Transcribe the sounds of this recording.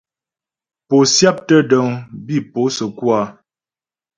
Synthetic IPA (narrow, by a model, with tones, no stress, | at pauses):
po˨sja˦p̚tə˦də˨ŋbi˦˨po˨˦sə˨kwa˦